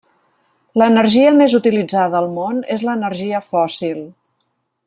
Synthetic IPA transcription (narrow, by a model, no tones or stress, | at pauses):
lənərʒiəmezut̪ilid͡zaðəːlˠmonezləːnəɾʒiəfɔsilˠ